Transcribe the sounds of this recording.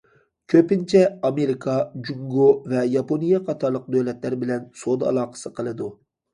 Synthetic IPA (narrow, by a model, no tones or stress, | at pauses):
kʲʰøpɪnt͡ʃʰɛɑmeɾikʰɑd͡ʒuŋɡovɛjɑponijɛqʰɑt̪ʰɑɾlˠəq̚d̪øwlɛt̪læɾbɪlɛnsod̪ɑ̰lˠɑːqə̥sɨqʰəlˠɨd̪u